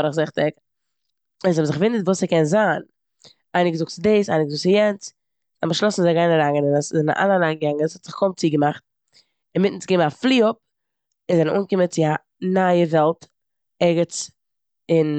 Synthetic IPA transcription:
ɾəχzɪχtɪk | ɪns̬hɔmzɪχɡəvɪndətvuːsɪkɛnzaːn | aɪnɪɡəzʊk̚tt͡sɪdisaɪnɪɡzʊk̚t͡sɪjɛnt͡s | aməʃlˠɔsn̩zaɡaɪnəɾaŋənɪnasɪzɪn̰ʔa̰lˠanaɡaŋəshɔtz̥ɪχkʰɔmt͡siːɡəmaχt̚ | ɪnmɪtn̩t͡sɡɪmaflˠiːʊp̚ | ɪnzɛnənʔuːnkɪmət͡sɪa | naəvɛlˠt | ɛɡət͡s | ɪn

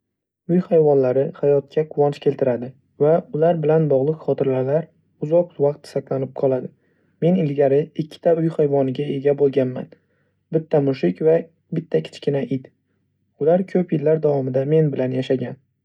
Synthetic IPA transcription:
ʊjhajvɒnlaɾɪhajɒt̪̚kʲʰaqʰʊwɒnt͡ʃkʲʰe̞lt̪ʰɪɾad̪ɪ | vaʊlaɾbɪlanbɒʁlˠɨqχɒt̪ɪɾlalaɾ | ʊzɒq̚vɑq̚t̪saklanɪp̚qʰɒlˠad̪ɪ | me̞nɪlɡʲaɾɪɪkʲʰːɪ̥t̪ʰaʊjhajvɒnɪɡʲae̞ɡʲabolˠɡʲanma̰n | bɪt̪ʰːamʊʃɪkʲva | bɪt̪ʰːakʲʰɪ̥t͡ʃkʲʰɪnaʔɪt̪ | ʊlaɾkʲʰɵpjɪlːaɾd̪awɒmɪd̪ame̞nbɪlanjaʃaɡʲan

